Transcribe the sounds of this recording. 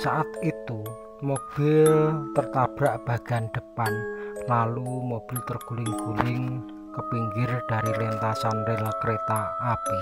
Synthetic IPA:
saʔat̪it̪u | mob̥ɪ̤lt̪ərt̪ab̥ɾaʔb̥a̤ɡ̥anɖ̪̥ə̤panlalumob̥ɪ̤lt̪ərɡ̥ulɪŋɡ̥ulɪŋ | kəpiŋɡɪrɖ̥a̤ɾilint̪asanreləkəɾet̪aːpi

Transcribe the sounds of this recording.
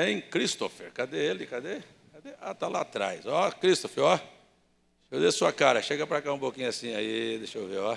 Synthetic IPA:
ẽj̃kɾist̪ofeɾkad̪eelɪkad̪e | kad̪eat̪ala̰t̪ɾa̰jsɔkɾist̪ofeɾɔ | ʃowd̪esuɐkaɾɐʃeɡɐpɾakaũpokĩɲʊasĩɲʊaid̪eʃoveɔ

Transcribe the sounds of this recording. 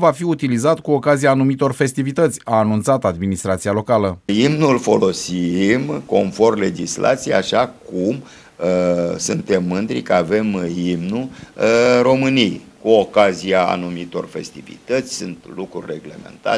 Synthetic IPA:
vafiut̪ilizat̪kuo̞kazijaːnumit̪o̞rfe̞st̪ivit̪ət̪sʲaːnunt̪sat̪ad̪minist̪ɾat̪sialo̞kaləimnulfo̞lo̞simko̞nfo̞rmle̞d͡ʒisla̰t̪sijeaʃakum | sɨnt̪e̞mːɨnd̪ɾikəave̞mimnu | ɾo̞mɨnij | kuokaziaa̰numit̪o̞̰rfe̞̰st̪ivḭt̪ət̪sʲsunt̪lukɾṵrʲre̞ɡle̞̰me̞̰nt̪a̰

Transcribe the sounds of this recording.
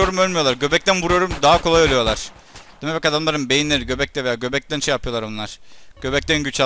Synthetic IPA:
o̞ɾumølʲmijo̞lˠaɾɟø̞bɛc̚t̪ænbuɾujo̞ɾumd̪aɦakʰo̞lˠajolujo̞lˠaɾ̥ | d̪̥imɛbakad̪amlˠaɾɯnbe̞jinʲeɾiɟø̞bɛct̪ɛve̞jaːɟø̞bɛc̚t̪ænʃejapʰɯjo̞lˠaɾonlˠaɾ̥ɟ̥ø̞bɛc̚t̪ænɟyt͡ʃʰa

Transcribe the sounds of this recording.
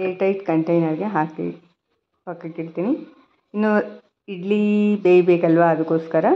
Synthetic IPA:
eːʈɐjʈkɐɳʈɐjnɐɾɡeɦaːkḛ | pɐkːɐiɽt̪iːni | inːu | iɖlibeːbeːkɐlʋaːd̪ukːoːskɐɾɐ

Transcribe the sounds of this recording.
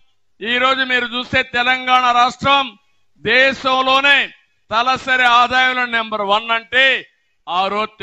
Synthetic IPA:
iːɾo̞ːd͡ʒumiːɾut͡ʃuːst̪e̞ːt̪ɛlɐŋɡaːɳɐɾaːʂʈɾɐm | d̪ɛːʃɐmlo̞ːneː | t̪ɐlɐsɐɾeaːd̪aːjulɐnembɐɾʋɐnːɐɳʈeː | aːɾoːt̪ː

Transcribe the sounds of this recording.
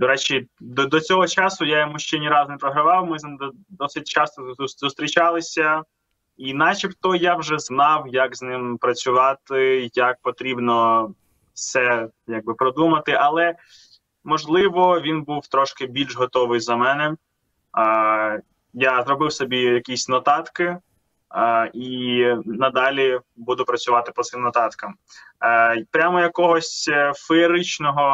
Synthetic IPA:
d̪ɔɾɛt͡ʃʲid̪ɔd̪ɔt͡sʲɔɦɔt͡ʃɑsʊjajɔmuʃt͡ʃɛnʲiɾɑznɛpɾɔɦɾɐʋɑwmɪd̪ | d̪ɔsɪt̚ʲt͡ʃɑst̪ɔzʊst̪ɾʲit͡ʃɑlˠɪsʲɐ | inɑt͡ʃipt̪ɔjawʒɛznɑwjɐkznɪmpɾɐt͡sʲʊʋɑt̪ɪjak̚pɔt̪ɾʲibnɔ | fsɛ | jaɡ̚bɪpɾɔd̪umɐt̪ɪʔɐlˠɛ | mɔʒlˠɪʋɔʋʲinbuwt̪ɾɔʃkɪbʲilʲʒɦɔt̪ɔʋɪjzɐmɛnɛ | jazɾɔbɪwsɔbʲijɐkʲisʲnɔt̪ɑt̪kɪ | inɐd̪ɑlʲibud̪ʊpɾɐt͡sʲʊʋɑt̪ɪpɔt̪sɪmnɔt̪ɑt̪kɐm | pɾʲamɔjɐkɔɦɔsʲfeɾɪt͡ʃnɔɦɔ

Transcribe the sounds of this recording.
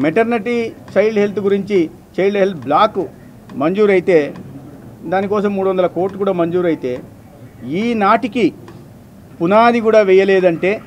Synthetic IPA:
meʈɐɾnɐʈit͡ʃɐjlɦelt̪ɡuɾiɲt͡ʃi | t͡ʃɐjɖɐɦelt̪blaːku | mɐɲd͡ʒuːɾɐjit̪e̞ː | d̪aːnikɔːs̬ɐmːuːɽuʋɐnd̪ɐlɐkoːɾʈlukuːɽaːmɐɲd͡ʒuːɾɐjit̪e̞ː | iːnaːʈiki | punaːd̪ikuːɽaːʋɛjɐleːd̪ɐɳʈe̞ː

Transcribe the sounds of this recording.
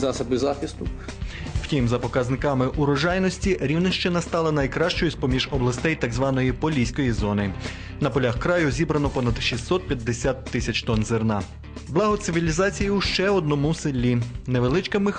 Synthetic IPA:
zɑsɐbɪzaxʲist̪ʊ | w̥tʲimzɐpɔkɐznɪkɑmɪʔuɾɔʒɑjnɔsʲtʲiɾʲiwnɪʃt͡ʃɪnɐst̪ɑlˠɐnɐjkɾɑʃt͡ʃɔjʊsʲpɔmʲiʒɔblˠɐst̪ɛjt̪ɑɡzʋɑnɔjipɔlʲijsʲkɔjizɔnɪ | nɐpɔlʲaxkɾɑjʊzʲibɾɐnɔpɔnɐd̪ʃisːɔt̪̚pʲjɐd̪ːesʲat̪ːɪsʲɐt͡ʃt̪ɔnzernɑ | blˠɑɦɔt̪sɪʋʲilʲizɑt͡sʲijiuʃt͡ʃɛɔd̪nɔmusɪlʲːineʋelˠɪt͡ʃkɪmɪx

